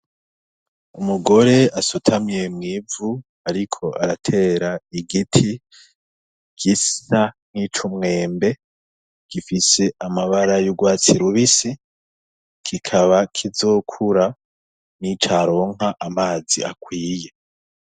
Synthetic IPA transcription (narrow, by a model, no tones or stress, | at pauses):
umuɡo̞ɾe̞asutʰamje̞mŋivu | aɾikʰo̞ʔaɾatʰe̞ɾaiɡitʰi | ɡ̥isaŋ̥it͡ʃumŋe̞ːmbe̞ | ɡ̥ifise̞ʔamaβaɾajuɡwaːt͡siɾuβisi | kʰikʰaβakʰizoːkʰuɾa | nit͡ʃaɾo̞ːŋaʔamaːzia̰kwiːje̞